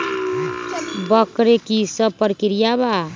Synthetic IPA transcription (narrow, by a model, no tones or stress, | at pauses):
bəkɾekisəbpəɾkiɾijaba